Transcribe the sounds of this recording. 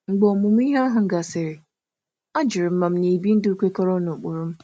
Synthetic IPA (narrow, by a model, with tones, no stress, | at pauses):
ŋ͡m̩˦ɡ͡bɔ˨mʊ˨m˦i˦ɦa˦a˦ɦʊ˨ŋ̩˦ɡa˨sɪ˨ɾɪ˨ | a˦d͡ʒɪ˨ɾɪ˨m̩˦ma˨m̩˦ɲe˨bi˦n̩˦dʊ˦u˦kʷe˦kɔ˦ɾɔ˦no˨k͡po˨ɾʊ˦m̩˦